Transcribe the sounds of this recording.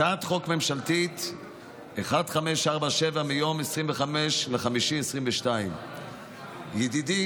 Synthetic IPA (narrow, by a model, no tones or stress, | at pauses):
at̪χo̞kme̞mʃalt̪it̪ | eχadχameʃaʁbaʃevamijo̞mesʁimveχameʃleχamiʃimesʁimveʃtaim | jed̪idi